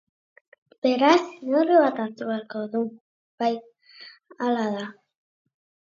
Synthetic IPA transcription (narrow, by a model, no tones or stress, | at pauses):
b̥eɾasnoriβat̪at̪uβeaɾkoðu | b̥aj | alaða